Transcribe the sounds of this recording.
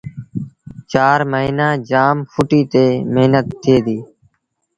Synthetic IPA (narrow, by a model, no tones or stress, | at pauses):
t͡ʃaːɾməiːnaːd͡ʒaːmfʰʊʈiːt̪eːmeɦnət̪ʰːeːd̪iː